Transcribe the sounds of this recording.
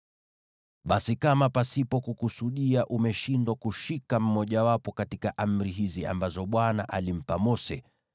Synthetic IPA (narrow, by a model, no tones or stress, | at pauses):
ɓasikamapasipɔkukusuɗiaʔumɛʃindwakuʃikam̩mɔʄawapɔkatikaʔam̩ɾiɦizia̰mbazɔɓwanaʔa̰lim̩pamɔsɛ